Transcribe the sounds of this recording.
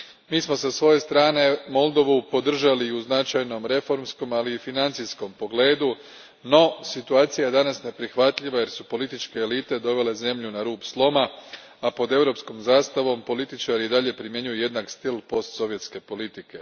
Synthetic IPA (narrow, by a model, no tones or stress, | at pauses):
miːsmo̞sasʋo̞je̞st̪ɾaːne̞mo̞lˠd̪o̞ʋupo̞d̪r̩ʒaliuznat͡ʃajno̞mɾe̞fo̞ɾmsko̞maliːfinant̪sisko̞mpo̞ɡle̞ːd̪u | no̞sit̪uaːt̪sijaje̞d̪anasne̞pɾixʋat̪lʎiʋaje̞ɾsupo̞lit̪it͡ʃke̞ːliːt̪e̞d̪o̞ʋe̞le̞ze̞mʎunaɾuːpslˠo̞ma | apo̞d̪e̞ʋɾo̞psko̞mzaːst̪aʋo̞mpo̞lit̪it͡ʃaɾiid̪aʎe̞pɾimje̞ɲujuje̞d̪nakst̪ilˠpo̞st̪so̞ʋje̞t̪ske̞po̞lit̪ike̞